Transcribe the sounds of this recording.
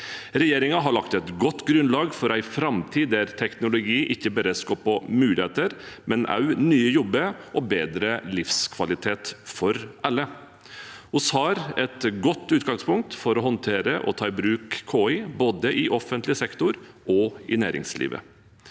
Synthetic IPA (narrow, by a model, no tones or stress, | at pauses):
ɾɛjeːɾɪŋɑɦɑɾɭɑkt̪ɛt̪ɡɔt̪ːɡɾʉnlɑːɡfɔɾæɪfɾɑmt̪ʰiːd̪æɾt̪ʰɛknʊlʊɡiːʔɪçːəbæːɾəskoːpʰɔmʉːlɪheːt̪əɾmʔɛnʔɑ̰ʉnyːəjɔbːəʔɔbeːd̪ɾəlɪfskʰʋɑlɪt̪ʰeːt̪fɔɾʔɑlːə | hʊshɑːɾɛt̪ɡɔt̪ːʉːt̪ɡɑŋspʊŋk̚t̪fɔɾɔɦɔnt̪ʰeːɾəʔɔ̰t̪ʰɑːɪbɾʉːkkʰːoːɪboːd̪əʔɪʔɔfənt̪lɪsɛkt̪ʊɾ | ʔɔɪ̰næːɾɪ̰ŋslḭːʋə̰